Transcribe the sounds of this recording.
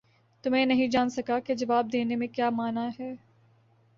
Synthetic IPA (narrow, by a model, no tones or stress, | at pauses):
t̪ʊmẽnɐɦĩd͡ʒaːnsɐkaked͡ʒɐʋaːb̚d̪eːnemẽkjaːmaːnaɦɛː